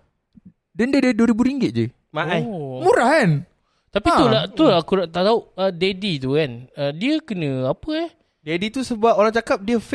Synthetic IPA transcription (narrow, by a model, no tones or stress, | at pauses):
dəndədəduəɾibuɾiŋɡɪt̪̚d͡ʒə | maʔajmuɾahkan | t̪apiudaʔt̪uakunaʔt̪aʔt̪auədedit̪ukanədiəkənə̃apəah | dedit̪usəbap̚oɾaŋt͡ʃakap̚diəf